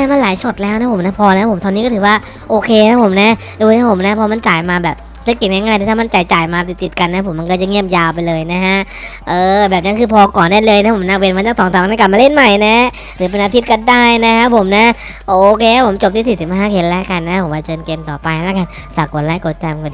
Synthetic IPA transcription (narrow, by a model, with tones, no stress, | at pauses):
ɛː˧˥˩ma˧nlaː˨˦jso˨˩t̪̚lɛː˦˥wna˦˥pʰo˩˦na˦˥pʰɔː˧lɛ˧˦˥pʰo˨˩˦mt̪ʰa˧ni˦˥kɔ˥˩t̪ʰɯː˩˦waː˥˩ | ʔoː˧kʰeː˧a˦˥˩pʰo˨˩˦mna˦˥ | du˧˩t̪ʰa˦˥pʰo˩˦mna˦˥pʰɔː˧ma˧nt͡ɕaː˨˩jmaː˧bɛː˨˩p̚ | sɯ˦˥kːi˧˩ŋa˥˩ŋaː˥˧˩j̪a˧t̪ʰaː˥˩m˧˨nt͡ɕa˨˩jt͡ɕaː˨˩jmaː˧t̪i˨˩t̪i˨˩ka˧nːa˦˥pʰo˩˦mːa˧nkɔ˥˩t͡ɕa˧˩ŋi˥˩əp̚jaː˧wp̬a˧jlɤː˧jna˦˥kʰa˦˥ʔ | ʔɤː˧bɛː˨˩p̚na˦˥˩kʰɯː˧pʰɔː˧kɔː˨˩ndaː˥˩jlɤː˧jna˦˥pʰo˩˦naː˦˥we˧nwa˧˦t̪a˥˩ŋt̪ʰɔː˨˦t̪ʰa˨˩˨na˥˩ka˨˩p̚maː˧le˥˩nma˨˩jna˦˥ | ɾɯː˨˩˦p̬e˧nʔaː˧t̪ʰi˦˥t̪̚kɔ˧˩daː˥˩jna˦˥kʰa˦˥pʰo˨˦mna˦˥ | ʔoː˧kʰeː˧a˦˥˩pʰo˩˦mt͡ɕo˨˩p̚t̪iː˧˥˩si˨˩t̪̚siː˨˩ɦaː˥˩kʰe˧tlɛ˦˥ka˧nːa˧˥˦po˨˩˦wa˧t͡ɕɤː˧nke˧nt̪ɔː˨˩pa˧jka˧n | saː˨˩kːo˨˩˦t̚laː˧˩jko˨˩t̪̚t͡ɕɛː˧m˧kɔ˧˩